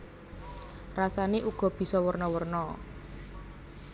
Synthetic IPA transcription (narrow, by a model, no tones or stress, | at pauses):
rasaneʔuɡ̥ɔ̤b̥i̤sɔwərnɔwərnɔ